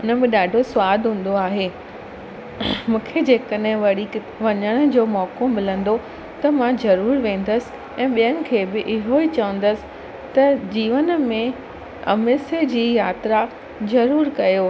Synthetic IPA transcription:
ʊnə̆bɪ̃ɗaːɖʱosʊwaːd̪ʱɦũːn̆d̪oaːɦeː | mũːkʰed͡ʑeːkəɗɦɪ̃ʋɐɽi | ʋɐɲəɽ̃ʊ̆d͡ʑoːmɔːkomɪlə̃nd̪o | t̪ɐmãzɐɾuːɾʋẽːn̆d̪əsɪ̥̆ | ɛ̃ːɓijənɪ̆kʰeːbɪʔɪɦoit͡ɕɐʋə̃n̆d̪əsɪ̥̆ | t̪ɐd͡ʑiːʋənmẽ | ɐ̰mɪsed͡ʑiːjaːt̪ɾa | zɐɾuːɾkɐjoː

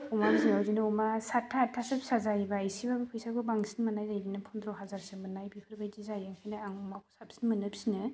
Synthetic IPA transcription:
umaɡziŋawzinɯumasatʰːatʰːasɯp̚sazaibaajsibabapʰɯjsakʰubaŋsinmanajzajdinɯpʰɔnd̪ɾɔɦazaɾsemɯnajbipʰɯɾbajdizajaŋkʰajnɯaŋɔmakʰu̥sap̚si̥nmɯnɯpsinɯ

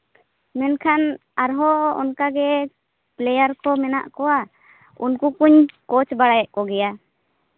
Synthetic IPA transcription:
mɛnkʰan | aɾɦɔɔ̰nkaɡɛ | plɛjaɾkɔmɛnaʔkɔwa | unkukuɲkɔt͡ʃbaɽajɛʔkɔɡɛja

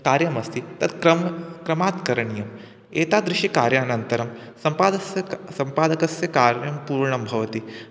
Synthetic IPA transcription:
kaːɾjɐmɐst̪it̪ɐt̪kɾɐmkɾɐmaːt̪kɐɾɐɳijɐm | eːt̪aːd̪ɾɪʃikaːɾjaːnɐnt̪ɐɾɐmsɐmpaːd̪ɐsjɐsɐmpaːd̪ɐkɐsjɐkaːɾjɐmpuːɾɳɐmbʱɐʋɐt̪i

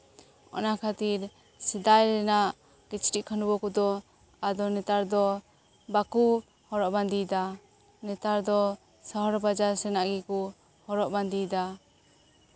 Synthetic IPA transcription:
ɔ̰nakʰat̪iɾ | sid̪ajɾɛnaʔ | kit͡ʃʈiʔkʰanubɔkɔd̪ɔ | ad̪ɔnɛt̪aɾd̪ɔ | baku | hɔɾɔʔband̪id̪a | nɛt̪aɾd̪ɔ | saɦɔɾbad͡ʒaɾsɛnaʔɡɛku | hɔɾɔʔband̪ijd̪a

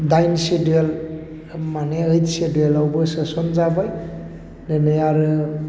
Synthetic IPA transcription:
dajnsediel | maneəjtsedielawbɯsɯsɔnzabaj | lenɯjaɾɯ

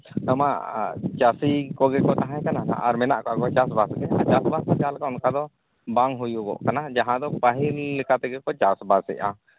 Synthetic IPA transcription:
t̪amaʔt͡ʃasikɔɡɛkɔt̪aɦãɛ̃kanana̰ʔaɾmɛnaʔkɔʔakɔt͡ʃasbasɡɛa̰d͡ʒasbasɛɡalkaʊnkad̪ɔ | baŋɦujuɡɔ̰ʔkanad͡ʒaɦãd̪ɔpaɦilːɛkat̪ɛɡɛkɔt͡ʃasbasɛ̰ʔa̰

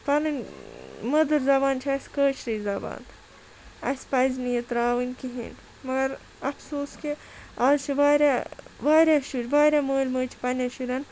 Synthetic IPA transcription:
pɐnɨnʲ | mɐd̪ɨɾzɐbaːnt͡ʃʰiɐsʲkəːt͡ʃʰɾizɐba̰ːnt̪ʰ | ɐ̰spɐjznijɐt̪ɾaːʋɨnʲkiɦḭn | mɐɡɐɾ | ɐfsoːske | aːzt͡ʃʰiʋaːɾʲaʋaːɾʲaʃuɾʲʋaːɾʲaməːlʲməːt͡ʃʰi̥pɐnʲɐʃuɾʲɐn

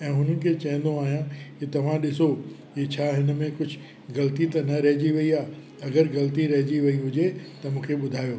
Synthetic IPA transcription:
ɛ̃ːɦʊnənɪ̆kʰeːt͡ɕɐ̃ɦɪ̃n̆d̪oaːɦijãkit̪ɐʋ̤ãɗɪso | iːt͡ɕʰaːɦɪnə̆mẽkʊd͡ʑʱɪ | ɡɐlt̪it̪ɐnɐɾɐɦɪd͡ʑiʋɐiaː | ɐɡəɾɣɐlt̪iɾɐɦɪd͡ʑiʋɐiɦʊd͡ʑet̪ɐmũːkʰeɓʊd̪ʱaːjoː

